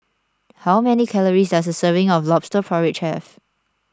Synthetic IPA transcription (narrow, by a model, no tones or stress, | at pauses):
haʊmɛnikʰɛləɹisdas̬dəsəvɪ̃ŋɔflɔpstəpʰɹaɪvɪt̚t͡ʃʰɛf